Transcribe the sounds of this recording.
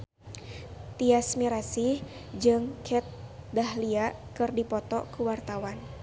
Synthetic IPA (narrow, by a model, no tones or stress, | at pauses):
t̪iasmiɾasihd͡ʒɨŋkʰɛt̪̚dahliaʔkɨrdipɔt̪ɔkuwart̪awan